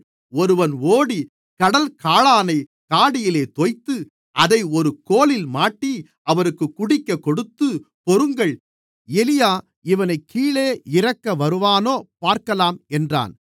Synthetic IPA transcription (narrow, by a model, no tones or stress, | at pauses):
ɔɾɯʋɐnoːɽi | kɐɽɐlkaːɭaːnɐɪ | kaːɽɪjɪleːt̪ɔjt̪ːɯ | ʔɐðɐɪɔɾɯkoːlɪlmaːʈːi | ɐʋɐɾɯkːɯkːʊɽɪkːɐkːɔɽɯt̪ːɯ | pɔɾɯŋɡɐɭ | ɛlɪjaː | ɪʋɐnɐɪkʰːiːɭeːɪɾɐkːɐʋɐɾɯʋaːnoːpaːɾkɐlaːmɛndra̰ːn